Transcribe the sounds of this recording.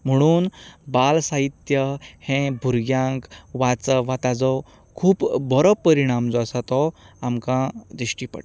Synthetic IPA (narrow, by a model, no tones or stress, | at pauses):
m̤əɽ̃uːnbalsaɦit̪jəhẽbʱuɾɡjãŋkʋat͡səʋat̪ad͡zɔ | kʰuːpbʱɔɾɔpːəɾiɽ̃amd͡zɔasat̪ɔamkãd̪ɾiɕʈipə̰ʈ